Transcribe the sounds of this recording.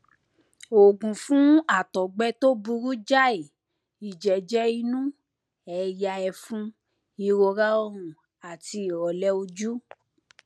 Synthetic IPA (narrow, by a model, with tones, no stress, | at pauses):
o˨ɡũ˨fũ˨˦a˦˨tɔ˨ɡ͡bɛ˦to˦bu˧ɾu˦d͡ʒa˦e˨ | i˨d͡ʒɛ˨d͡ʒɛ˦i˧nũ˦ | ɛ˨˧ja˧ɛ˧fũ˦ | i˧ɾo˧ɾa˦ɔ˦ɾ̃ũ˨ | a˨ti˧˨ɔ˨lɛ˦o˧d͡ʒu˦